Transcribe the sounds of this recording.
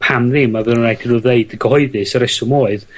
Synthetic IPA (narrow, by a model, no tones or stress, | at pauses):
pʰamðɪmːavɨnənrajtʰinuðeɨdəɡəhɔɨðɨsəɾɛsʊmoːɨð